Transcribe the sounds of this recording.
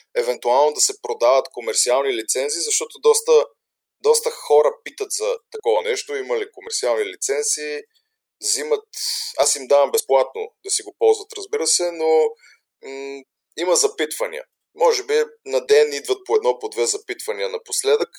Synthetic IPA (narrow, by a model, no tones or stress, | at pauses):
ɛvɛnt̪ualˠnod̪ɐsɛpɾod̪avət̪komɛɾt̪sialˠnilit̪sɛnt̪siːzɐʃt̪ɔt̪od̪ɔst̪ə | d̪ɔst̪əxɔɾəpit̪ət̪zɐt̪ɐkɔvɐnɛʃt̪oimɐlikomɛɾt̪sialˠnilit̪sɛnt̪siː | zimət̪asimd̪avəmbɛsplˠat̪no̰d̪ɐsiɡopɔlˠzvət̪ɾɐzbiɾəsɛno | imɐzɐpit̪vɐnḭə̰ | mɔʒɛbinɐd̪ɛnid̪vət̪̚poɛd̪nɔpod̪vɛzɐpit̪vɐniənɐposlɛd̪ək